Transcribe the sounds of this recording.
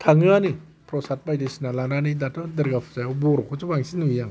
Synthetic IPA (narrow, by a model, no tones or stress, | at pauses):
tʰaŋɯanɯ | pʰɾɔsat̚bajdɯsinalananɯdatɯdɯɾɡapʰɯ̥zajɔbɔɾɔkʰɔzubaŋsinɯjaŋ